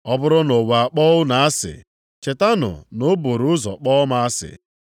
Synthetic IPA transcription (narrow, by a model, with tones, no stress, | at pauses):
ɔ˦bʊ˦ɾʊ˦no˨wa˨a˨k͡pɔ˦ʊ˦na˨a˦sɪ̰˨ | t͡ʃe˨ta˦nʊ̰˨no˨˦bo˨ɾʊ˨˦ʊ˦zɔ̰˨k͡pɔ˦ma˦a˦sɪ̰˨